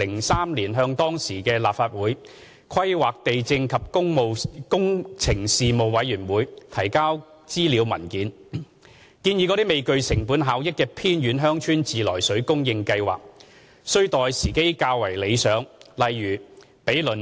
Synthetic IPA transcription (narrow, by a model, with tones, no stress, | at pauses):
lɪ˨˩ŋsaː˥mliː˨˩nɦœː˧ŋt̪ɔː˥ŋsiː˨˩kɛː˧laː˨p̚faː˧t̚wuː˨˥j | kʰɐ˥jwaː˨k̚t̪e˨jt͡sɪ˧ŋkʰɐ˨p̚kʊ˥ŋmo˨wkʊ˥ŋt͡sʰɪ˨˩ŋsiː˨mo˨wwɐ˨˥jyː˨˩nwuː˨˧jt̪ʰɐ˨˩jkaː˥w | t͡siː˥liː˨˧wmɐ˨˩nkiː˨˥n | kiː˧njiː˧kɔː˨˧˥t̪i˥me˨jkɵ˧ɥsɪ˨˩ŋpuː˨˥nɦaː˨˥wjɪ˥kːɛː˧pʰiː˥njyː˨˧˥nɦœː˥ŋt͡ʃʰyː˥nt͡siː˨lɔ̰ː˨˩jsɵ˨˥ɥkʊ˥ŋjɪ˧ŋkɐ˧jwa̰ː˨˩k̚ | sɵ˥ɥt̪ɔː˨jsiː˨˩ke˥jkaː˧wwɐ˨˩jle˨˧jsœː˨˥ŋlɐ˨jːyː˨˩ | pe˨˥jlɵ˨˩n